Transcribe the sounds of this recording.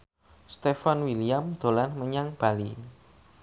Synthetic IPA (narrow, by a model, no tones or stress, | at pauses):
st̪efanwiliamd̪̥o̤lanməɲaŋb̥a̤li